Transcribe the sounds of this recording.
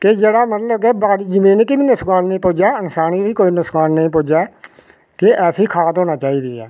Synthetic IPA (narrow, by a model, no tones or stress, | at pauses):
kɪd͡ʒeːɽaːmət̪ləbkebaːɾiːd͡ʒɪmẽːnekibiːnʊskaːnːəĩːpoːd͡ʒaənsaːniʋiːkoːiːnʊskaːnːəĩːpoːd͡ʒa | kɪʔɛːsiːkʰaːt̪ɦoːnaːt͡ʃaːiːd̪iːɛː